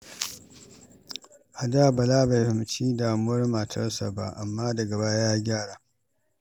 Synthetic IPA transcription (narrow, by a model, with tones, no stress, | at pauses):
ʔa˨daː˦bɐ˨laː˦ba˨ɸɪ˨m˨t͡ʃiː˦daː˨mʊ˦wɐ˦rma˨tʰɐ̰˦rsa̰˨ba̰˦ʔa˨mːaː˦dɐ˨ɡɐ˨baː˦jaː˦ɡʲaː˦˨ɽaː˨